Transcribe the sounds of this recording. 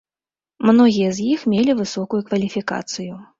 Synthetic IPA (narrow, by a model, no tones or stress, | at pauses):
mnɔɣʲijɐzʲjixmʲelʲivɨsɔkujukvɐlʲifʲika̰t̪sɨju